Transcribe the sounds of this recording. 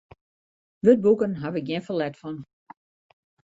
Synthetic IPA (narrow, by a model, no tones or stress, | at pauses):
ʋøt̚bukənɦaʋɪkjɪnfəlɛtfɔn